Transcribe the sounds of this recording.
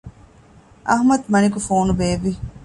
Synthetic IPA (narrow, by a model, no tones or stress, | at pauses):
ɐ̰ɦmɐd̪mɐnikufoːnubeːʋi